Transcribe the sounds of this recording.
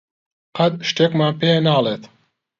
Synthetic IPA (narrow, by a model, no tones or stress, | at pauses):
qʰɐd̪̚ʃt̪eːkmaːnpeːnaːleːt̪